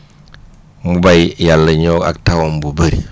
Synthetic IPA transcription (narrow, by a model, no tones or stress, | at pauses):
mubajjalːəɲoka̰k̚tawombubəɾi